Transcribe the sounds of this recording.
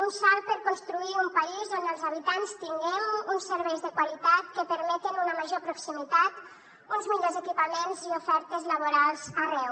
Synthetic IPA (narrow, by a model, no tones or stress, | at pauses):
unsalˠpəɾkunst̪ɾuiumpaizonəlˠzaβ̞it̪anst̪iŋɡɛmunsəɾβɛjzðəkwalit̪at̪kəpəɾmɛt̪ənunəməʒopɾuksimit̪at̪ | unzmiʎozəkipəmenziufɛɾt̪əzləβ̞uɾalˠzarɛw